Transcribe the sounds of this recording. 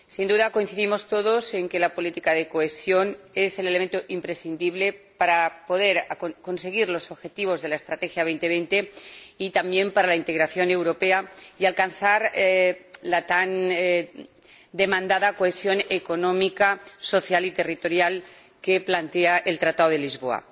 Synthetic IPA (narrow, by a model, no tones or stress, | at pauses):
sind̪uðako̞inθiðimo̞st̪o̞ðo̞se̞ŋke̞lapo̞lit̪ikaðe̞ko̞e̞sjo̞ne̞se̞lelement̪oʔimpɾe̞sθind̪iβle̞paɾapo̞ðe̞ɾako̞nse̞ɣ̞iɾlo̞so̞βxe̞t̪iβ̞o̞zðe̞laest̪ɾat̪e̞xjaβe̞jnt̪e̞β̞ejnt̪e̞it̪ambje̞mpaɾalaint̪e̞ɣɾaθjo̞ne̞wɾo̞pe̞aialkanθaɾ | lat̪an | d̪e̞mãnd̪aðako̞esjo̞neko̞nõ̞mikaso̞θjalit̪e̞rit̪o̞ɾjal | ke̞plant̪e̞aʔe̞lt̪ɾat̪aðoð̞e̞lizβo̞a̰